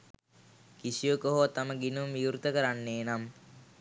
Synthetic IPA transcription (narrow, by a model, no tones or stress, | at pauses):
kisijokoɦoʋat̪aməɡinuijuɾt̪əkəɾanːeːnam